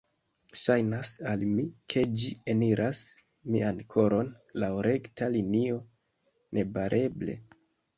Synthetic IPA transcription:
ʃajnasalmikʰe̞d͡ʒieniɾʔas | miankʰo̞ɾo̞n | laoɾe̞ktalinio̞ | nʔe̞baɾʔe̞ble̞̰

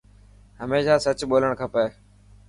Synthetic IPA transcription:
ɦəmeːʃaːsət͡ʃɓoːləɳkʰəpeː

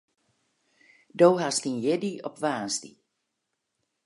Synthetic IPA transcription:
dowɦastinjɛdiɔpʋaːnsdḭ

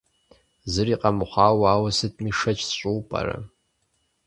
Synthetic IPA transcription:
zɨriːqʼɐmχʷɑːwaːwɐsɨtʰmiʂɐt͡ʃʰʼɕʷʼuwpʼa̰rɐ̰

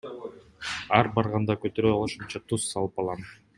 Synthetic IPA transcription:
ɑɾbɑɾʁɑnd̪ɑkøt̪øɾøooʃunt͡ʃɑt̪ʰusːɑlˠɯpɑlˠʁɑm

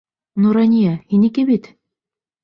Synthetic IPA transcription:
nuɾanʲijahinikɘbit̪

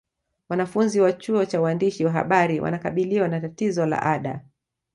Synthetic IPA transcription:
wanafunziwat͡ʃuɔt͡ʃawandiʃiwaɦa̰ɓaɾiwʔa̰nakaɓiliwanatatizɔla̰ʔaɗa̰

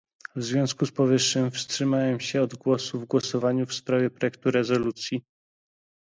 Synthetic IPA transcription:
vzvʲjɔ̃skuspɔvɘʂːɘmfstʂɘmawɛmɕɛɔd̪ɡwɔsuvɡwɔsɔvaɲufspɾavʲjɛpɾɔjɛk̚t̪uɾɛzɔlut̪sʲji

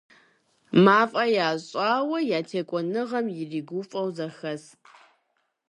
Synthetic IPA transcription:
maːfʼɐjaːɕʼaːwɐjaːtʰeːkʷʼɔnɨʁɐmjɪriːɡʷʊfʼɐwzɐxɐs

